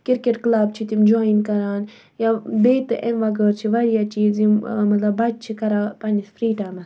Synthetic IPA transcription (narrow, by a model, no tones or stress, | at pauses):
kiɾkeʈklaːb̚t͡ʃʰit̪imd͡ʒoːinkɐɾaːn | jabeːt̪ɨʔenʋɐɡəːɾt͡ʃʰiʋɐɾijat͡ʃiːzimmɐt̪lɐbɐt͡ʃt͡ʃʰikɐɾaːpɐnisfɾiːʈaːmɐs